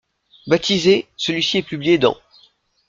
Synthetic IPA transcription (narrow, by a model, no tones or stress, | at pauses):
bat̪ʰizesəlɥisiɛpyblijed̪ɑ̰̃